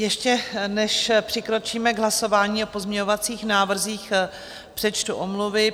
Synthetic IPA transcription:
jɛʃcɛnɛʃpr̥ɪkɾo̞t͡ʃiːmɛɡɦlaso̞vaːɲiːo̞po̞zmɲɛɲovat͡siːxnaːvr̩ziːx | pr̥ɛt͡ʃt̪uʔomluvɪ

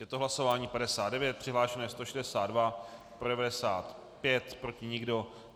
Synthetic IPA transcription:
jɛt̪oɦlaso̞vaːɲiːpadɛsaːd̪dɛvjɛt̪̚pr̝̥ɪɦlaːʃɛnɛɛst̪oʃɛdɛsaːd̪dvapɾodɛvadɛsaːt̪ | pjɛt̪pɾo̞cɪɲɪɡdo̞

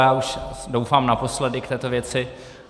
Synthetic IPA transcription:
jaːuʃdowfaːmnapo̞slɛdɪkt̪ɛːt̪ovjɛt͡sɪ

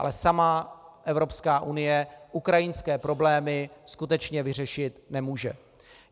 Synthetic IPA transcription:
a̰lɛsamaʔɛvɾo̞pskaːʔunɪjɛʔukɾajɪnskɛːpɾo̞blɛːmɪskut̪ɛt͡ʃɲɛvɪr̝ɛʃɪt̪nɛmuːʒɛ̰

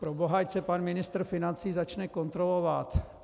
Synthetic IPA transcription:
pɾoboɦajt͡sɛpanmɪnɪst̪ɾ̩fɪnant͡siːzat͡ʃnɛkont̪ɾolovat̪

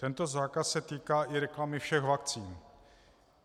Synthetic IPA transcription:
t̪ɛnt̪o̞zaːkasːɛt̪iːkaːʔɪɾɛklamɪfʃɛxvak̚t͡siːn

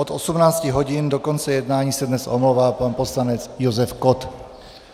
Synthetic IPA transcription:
ʔot̪ʔosumnaːt͡scɪɦo̞ɟɪndokont͡sɛjɛdnaːɲiːsɛdnɛsʔomlowvaːpanposlanɛt͡sjozɛfkot̪

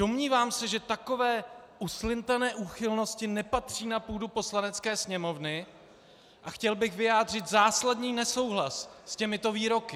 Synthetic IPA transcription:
d̥o̞mɲiːvaːmsɛʒɛt̪ako̞vɛːʔuslɪnt̪anɛːʔuːxɪlno̞scɪnɛpat̪r̝̥iːnapuːdupo̞slanɛt͡skɛːsɲɛmo̞vnɪ | ʔaxcɛlbɪxvɪjaːd̪r̝ɪt̪zaːsladɲiːnɛso̞wɦlasːcɛmɪt̪o̞viːɾo̞kɪ

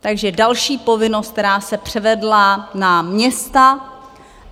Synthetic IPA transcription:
t̪aɡʒɛdalʃiːpo̞vɪno̞st̪t̪ɛɾaːsɛpr̝̥ɛvɛdlanamɲɛst̪a

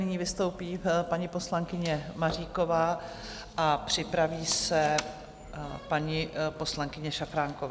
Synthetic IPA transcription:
nɪɲiːvɪst̪o̞wpiːpaɲɪpo̞slaŋkɪɲɛmariːko̞vaː | ʔapr̝̥ɪpɾaviːsɛ | paɲɪpo̞slaŋkɪɲɛʃafɾaŋkovaː

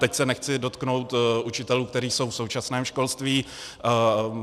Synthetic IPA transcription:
t̪ɛcsɛnɛxt͡sɪdo̞t̪knowt̪ʔut͡ʃɪt̪ɛluːk̚t̪ɛɾiːso̞wfsowt͡ʃasnɛːmʃko̞lst̪viː

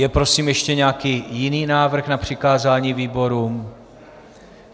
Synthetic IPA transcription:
jɛpɾo̞siːmjɛʃcɛɲɛakiːjɪniːnaːvr̩xnapr̥ɪkaːzaːɲiːviːbo̞ɾuːm

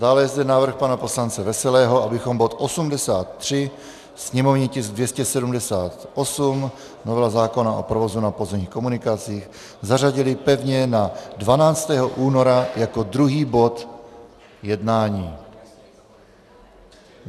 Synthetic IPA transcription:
d̥aːlɛjɛzd̪ɛnaːvr̩xpanapo̞slant͡sɛvɛsɛlɛːɦo̞ʔabɪxo̞mbo̞t̪ʔo̞sumdɛsaːt̪ːr̝̥ɪ | sɲɛmo̞vɲɪcɪzdvjɛscɛsɛdumdɛsaːt̪ʔo̞sum | novɛazaːko̞naʔo̰pɾovo̞zunapo̞zɛmɲiːxko̞munɪkat͡siːx | zaraɟɪlɪpɛvɲɛnadvanaːt͡st̪ɛːɦo̞ʔuːno̞ɾajako̞d̪ɾuɦiːbo̞t̪ | jɛdnaːɲiː

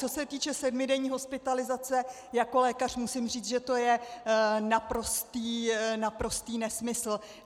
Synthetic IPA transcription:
t͡so̞sɛt̪iːt͡ʃɛsɛdmɪdɛɲiːɦo̞spɪt̪alɪzat͡sɛ | jako̞lɛːkar̥musɪmriːt͡sʒɛt̪o̞jɛ | napɾo̞st̪iːnapɾo̞st̪iːnɛsmɪsl̩

